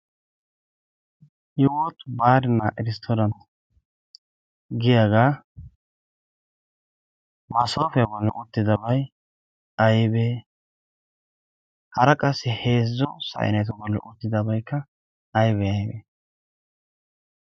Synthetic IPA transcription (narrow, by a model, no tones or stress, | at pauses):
jɪwɔt̪baːɾɪnːaʔɪɾɪst̪ʰoɾɐnt̪ | ɡɪjaɡaː | mɐso̞ːfɛjɐbɔlːɛ̰ʔʊt̪ːɪd̪ɐbɐj | ɐjbeː | hɐɾɐkʼɐsːɪheːzːɔsɐ̰ʔɪ̰nɛt̪ɔbɔlːɛ̰ʔʊt̪ːɪd̪ɐbɐjkːɐː | jbɛɐjbeː